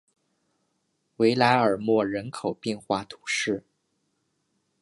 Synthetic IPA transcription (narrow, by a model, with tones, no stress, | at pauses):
we˧˥ɪla˧˥ɪə˞˨˩mwɔ˥˩ɻə˧˥nkʰo˨˩ʊpjɛ˥˧nxwa˥˩t̪ʰu̥˧˥ʂɻ̩˥˩